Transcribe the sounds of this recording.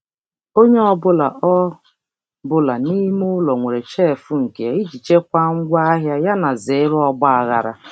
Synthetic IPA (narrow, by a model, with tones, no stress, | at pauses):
o˦ɲe˦ɔ˦bʊ˦la˨ʔɔ˦ | bʊ˦la˨ni˦mʊ˦lɔ˨ŋʷe˨ɾe˨t͡ʃe˦˨fʊ˦ŋ̩˨ke˨˦i˦d͡ʒi˨t͡ʃe˦kʷa˦ŋ̩˦ɡʷa˦a˦ɦja˦ja˦na˨ze˨˦ɾɔ˦ɡ͡ba˦a˨ɣa˨ɾa̰˨